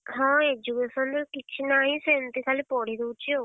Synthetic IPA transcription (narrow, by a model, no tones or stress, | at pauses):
ɦɔ̃ed͡ʒukesɔnd̪ekit͡ʃʰinaɦĩsent̪ikʰalipɔɽ̤id̪ewt͡ʃʰio